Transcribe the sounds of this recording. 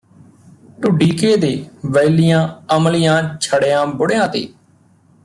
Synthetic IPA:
ʈʊɖiːkeːd̪eːʋəjlɪjãːəmlɪjãːt͡ʃʰəɽejãːbʊɽejãːt̪ḛː

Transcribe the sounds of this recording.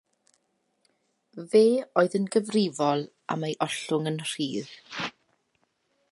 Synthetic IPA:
veːoːɨðənɡəvrɪvɔlˠ | a̰mejʔɔɬʊŋənr̥iːð

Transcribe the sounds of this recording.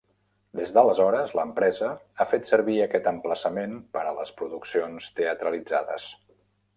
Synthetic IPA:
d̪ezðələzɔɾəzləmpɾɛzəafet̪səɾβiəkɛt̪əmpləsəmenpəɾələspɾuðuksionst̪eət̪ɾəlid͡zaðə̰s

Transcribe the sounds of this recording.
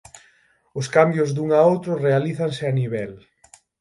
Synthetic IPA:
ʊskambjʊzðuŋaowt̪ɾʊrealiθaŋsɪaniβɛl

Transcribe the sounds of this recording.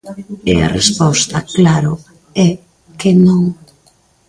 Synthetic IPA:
ḛa̰respɔst̪ɐklaɾʊ | ɛ | kenõŋ

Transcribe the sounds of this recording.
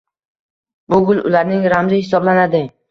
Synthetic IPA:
bʊɡʲʊlʊ̰laɾnɪŋɾamzɪhɪsɒblanad̪ɪ

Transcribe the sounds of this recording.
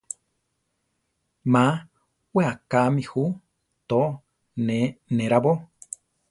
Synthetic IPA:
mã | weakamĩhu | t̪o | nenẽɾaβo

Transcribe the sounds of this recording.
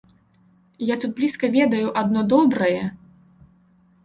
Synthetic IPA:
jat̪ud̪̚blʲiskɐvʲɛd̪ɐjuʔad̪̚nɔd̪ɔbɾɐjɛ

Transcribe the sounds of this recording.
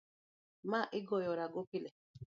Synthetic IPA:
maʔɪɡɔjɔɾaɡokilɛ

